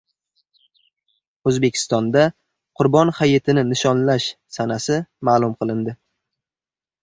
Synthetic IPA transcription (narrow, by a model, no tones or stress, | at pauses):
ɵzbe̞kʲʰɪ̥st̪ɒnd̪a | qʰʊɾbɒnhajet̪ʰɪnɪnɪʃɒnlaʃsanasɪmaːlˠʊmqʰɨlˠɪnd̪ɪ